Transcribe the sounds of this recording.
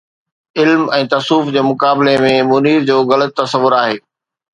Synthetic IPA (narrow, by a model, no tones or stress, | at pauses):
ɪlmɛ̃ːt̪ɐsuːfd͡ʑeːmʊkaːbɪlemẽmʊniːɾd͡ʑoːɣɐlət̪̚ːɐsəʋʊɾaːɦeː